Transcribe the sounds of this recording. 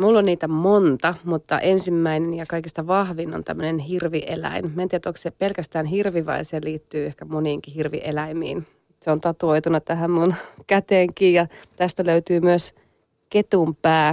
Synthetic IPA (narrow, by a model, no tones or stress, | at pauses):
mulːonːiːt̪æmont̪ɑmut̪ːɑ̰ʔensimːæinenjɑkɑikist̪ɑʋɑhʋinont̪æ̰mːønenhirʋiʔelæ̰inmænt̪ieæt̪oksepelkæst̪æːnɦirʋiʋɑ̰iseliːt̪ːyːehkæmoniːŋkihirʋḭʔḛlæimḭːn | seont̪ɑt̪uoit̪unɑt̪æɦæmmunkæt̪eːŋkiːjɑt̪æst̪æløyt̪yːmyøs | ket̪umpæː